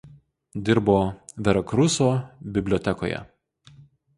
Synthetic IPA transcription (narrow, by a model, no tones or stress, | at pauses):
d̪ʲɪɾboːʋʲɛɾɐkɾʊsoːbʲɪbʲlʲoːt̪ʲɛko̰ːjɛ̰